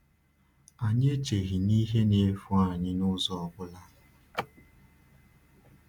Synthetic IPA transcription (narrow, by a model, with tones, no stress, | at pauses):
a˨ɲe˦t͡ʃe˨ɣi˨ni˦ɦe˦ne˨˦fu˦a˨ɲɪ˦nʊ˦zɔ˨ɔ˨ɡʊ˦la˦